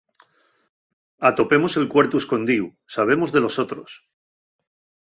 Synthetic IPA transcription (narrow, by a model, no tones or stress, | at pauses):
at̪o̞pe̞mo̞se̞lkwe̞ɾt̪uesko̞nd̪iu | saβ̞e̞mo̞zðe̞lo̞so̞t̪ɾo̞̰s